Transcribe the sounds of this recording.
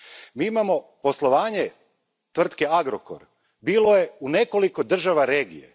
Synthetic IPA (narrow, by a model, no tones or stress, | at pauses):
miːimamo̞po̞slˠo̞ʋaːɲe | t̪ʋr̩t̪ke̞aɡɾoko̰ɾ | biːlˠo̞je̞une̞ko̞liko̞d̪r̩ʒaʋaɾe̞ːɡḭjḛ